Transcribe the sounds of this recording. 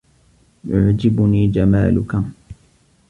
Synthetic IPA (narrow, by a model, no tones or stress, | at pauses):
jʊʕd͡ʒɪbʊniːd͡ʒama̰ːlʊka